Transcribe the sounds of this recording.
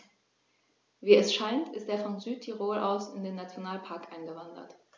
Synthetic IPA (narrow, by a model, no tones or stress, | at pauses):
viːɛsʃaɪntɪsteːɐfɔnzyːtʰiʁoːlʔa̰ʊsɪndeːnat͡sjonaːlpʰaɐkʔaɪnɡəvandɐ̰t